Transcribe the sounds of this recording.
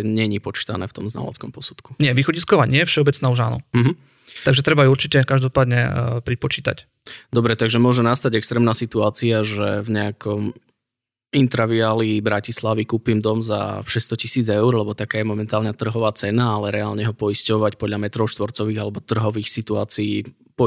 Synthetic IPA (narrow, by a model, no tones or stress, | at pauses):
ɲɛɲipɔt͡ʃi̥t̪anɛ̰ːft̪ɔmzna̰la̰t͡skɔmpɔsu̥t̪kuɲɪɛʋiːxɔɟiskɔʋaːɲɪɛjɛfʃɛɔbɛt͡snaːuʒa̰ːnɔ̰m̩ɦ̩ | t̪aɡʒɛt̪ɾɛbauuɾt͡ʃicɛkaʒd̪ɔpaːd̪ɲɛ̰pɾipɔt͡ʃiːt̪a̰c | d̪ɔbɾɛt̪aɡʒɛmʊɔʒɛmnast̪aɟɛkst̪ɾɛːmnaːsit̪uaːt͡siaʒɛvɲɛakʰɔm | int̪ɾaʋiaːlibɾacislaʋikuːpimd̪ɔmza̰ʃɛst̪ɔcisiːd͡zɛʊɾlɛbɔt̪akaːjɛmɔmɛnt̪aːlɲat̪r̩ɦɔʋaːt͡sɛnaalɛɾɛaːlɲɛɦɔpɔiscɔʋacpɔd̪ʎamɛt̪ɾɔʊʃt̪ʋɔɾt͡sɔʋiːɣalɛbɔt̪r̩ɦɔʋiːxsit̪ua̰ːt͡sii | pɔ